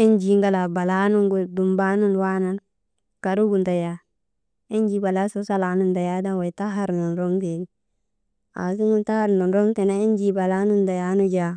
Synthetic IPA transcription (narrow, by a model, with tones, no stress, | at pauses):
i˦nd͡ʒi˨ŋɡa˨la˨ba˨la˦nu˦ŋɡu˨du˨mba˦nu˦nwa˦na˦n | ka˨ɾu˦ɡu˨nda˨ja˦ | i˦nd͡ʒi˦ba˨la˦so˦sa˦la˨˦nu˦nda˨ja˦da˦nwa˨jta˦ɦa˨ɾnu˨nɾo˦ŋt̬e˨n˦ | a̰˨s̬i˦ŋu˦nta˦ha˦ɾnu˨nɾo˦ŋte˨na˦i˦nd͡ʒi˦ba˨la˦nu˦nda˨ja˦nu˦d͡ʒa˦